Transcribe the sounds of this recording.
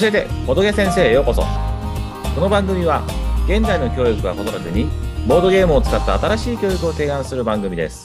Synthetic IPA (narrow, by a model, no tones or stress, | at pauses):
ɕie̞t̪e̞̰ko̞d̪o̞kʲesẽ̞ɰ̃se̞ːjo̞ko̞so̰ | ko̞no̞bãŋɡɯ̟mʲiβaɡẽ̞nd͡zaino̞kʲo̞ːjɯkɯ̟ɡa̰ko̞soɾat̪eɲ̟ibo̞ːd̪o̞ɡe̞ːmɯ̟ot͡sɨ̥kat̪ːa̰ːt̪aɾaɕiːkʲo̞ːjikɯ̟o̞t̪e̞ːãɰ̃sɨɾɯ̟bãŋɡɯ̟mʲid̪e̞̰sɨ̥